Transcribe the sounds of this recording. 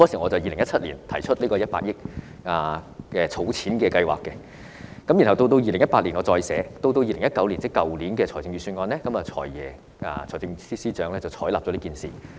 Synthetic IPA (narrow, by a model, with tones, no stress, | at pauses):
ɔː˥siː˨˩ŋɔː˨˧t͡sɐ˨˩wjiː˨˧lɪ˨˩ŋjɐ˥tt͡sʰɐ˥t̚liː˨˩nt̪ʰɐ˨˩jt͡ʃʰɵ˥t̚liː˥kɔː˧jɐ˥t̚pa̰ː˧t̚jɪ˥k̚ | aː˨kɛ˧t͡sʰo˨˥wt͡sʰiː˨˥nkɛː˧kɐ˧jwa̰ː˨kːɛ˧ | kɐ˨˥mji˨˩nɦɐ˨wt̪o˧wt̪̬o˧wjiː˨lɪ˨˩ŋjɐ˥t̚paː˧t̚liː˨˩nŋɔː˨˧t͡sɔː˧jsɛː˨˥t̪o˧wt̪o˧wjiː˧lɪ˨˩ŋjɐ˥t̚kːɐ˨˥wli˨˩nt͡sɪ˥kːɐ˨wliː˨˥nkɛː˧ɔː˨˩jt͡sɪ˧ŋyː˨˧syː˧nŋɔː˧nlɛː˥kɐ˨˥mɐː˨t͡sʰɔ̰ː˨˩jjɛː˨˩ | a̰˨˧ɔː˨˩jt͡sɪ˧ŋ˧siː˥siː˥t͡ʃœː˨˧ŋlɛː˥t͡sɐ˨˩wt͡sʰɔː˨˥jlaː˨p̚t͡sɔː˨˧˥liː˥kiː˨˩nsḭː˨˩